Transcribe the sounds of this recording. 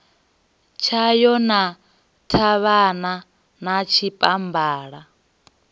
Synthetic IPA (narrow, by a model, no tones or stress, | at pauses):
t͡ʃʰajɔna | tʰaβana | nat͡ʃʰipʼambaːɺa